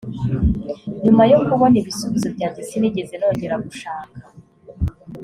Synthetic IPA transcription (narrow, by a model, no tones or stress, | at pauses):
ɲumajokuβoniβisuβizobɟaːnzisiniɟe̞zenoɲɟeɾaɡuʃaːŋka